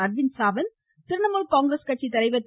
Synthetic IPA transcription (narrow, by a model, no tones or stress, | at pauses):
ɐɾʋɪnsaːʋɐn | t̪ɪɾɯɳɐmɐlkaːŋɡɾɐskɐʈ̚t͡ʃːit̪ɐɾɐɪʋɐt̪ː